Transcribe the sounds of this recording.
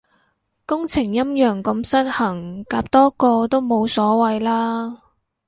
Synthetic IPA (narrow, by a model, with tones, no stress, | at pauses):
kʊ˥ŋt͡sʰɪ˨˩ŋjɐ˥mjœː˨˩ŋkɐ˧msɐ˥t̚hɐ˨˩ŋkaː˨˧p̚t̪ɔː˥kɔː˧t̪o˥wmo˨˧wsɔː˨˥wɐ˨˧jlaː˥